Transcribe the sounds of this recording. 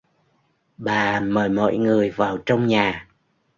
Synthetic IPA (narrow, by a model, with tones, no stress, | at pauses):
ɓaː˨˩məː˨˩jmɔ̰˧˨jŋɨ˨˩əjvaː˨˩wt͡ɕɔ˧wŋ͡mɲaː˨˩